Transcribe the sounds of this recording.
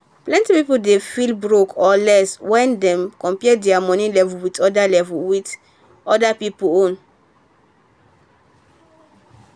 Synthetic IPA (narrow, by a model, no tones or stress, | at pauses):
plɛ̃ntipipuldefilbɹokʰɔlɛswɛ̃ndɛ̃mkɔ̃mpiɛdɛamɔ̃nĩlɛvulwitɔdalɛvuwit | ɔdapipuõn